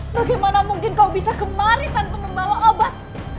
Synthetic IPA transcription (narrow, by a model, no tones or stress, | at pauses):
baɡajmanamuŋkɪnkaubisakəmaɾisanpəŋəŋmalaobat̪̚